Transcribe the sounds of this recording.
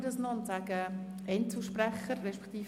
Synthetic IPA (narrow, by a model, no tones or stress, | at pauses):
dɑsnɔʊntsaːɡə | ʔɛntsəʃprɛχəɾːɛʃpɛ̥kt̪iːf